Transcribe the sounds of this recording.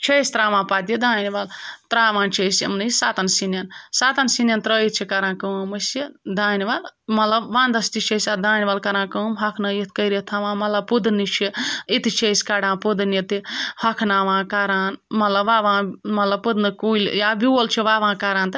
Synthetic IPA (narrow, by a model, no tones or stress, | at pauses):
t͡ʃʰesʲt̪ɾaːʋãːpat̪̬id̪aːnʋalt̪ɾaːʋãːnt͡ʃʰesḭmnisaːt̪ɐnsinjɐnsaːt̪ɐnsinʲjɐnt̪ɾəːit̪̚t͡ʃʰikɐɾãːnkəmɐsid̪aːniʋalmɐt̪lɐbʋãːnd̪ɐst̪it͡ʃʰesʲad̪aːniʋalkɐɾãːnkəmɦɐkʰnɐjit̪ʰkɐjɾit̪ʰaʋãːmɐlɐbpud̪nit͡ʃʰiit̪it͡ʃʰesʲkaɽãːpud̪ɨnit̪ihɐkʰnaːʋãːkaɾaːnmɐlɐbʋaːʋãːmɐlɐb̚pud̪nɨkuilʲjaːbʲiwolt͡ʃʰiʋaːʋãːkaɾãːnt̪ɨ